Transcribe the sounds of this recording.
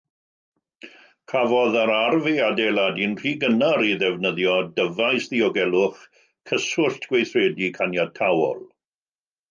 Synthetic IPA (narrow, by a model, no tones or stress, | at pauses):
kʰavɔðaɾarviadelˠadinr̥iːɡənaɾiðɛvnəðjɔdəvajsðiɔɡɛlˠʊχ | kʰəsʊɬtʰɡ̥wejθreːdikʰanjatʰawɔ̰lˠ